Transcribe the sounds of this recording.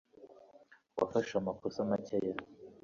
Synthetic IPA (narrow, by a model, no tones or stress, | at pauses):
wafaʃamakosamaceja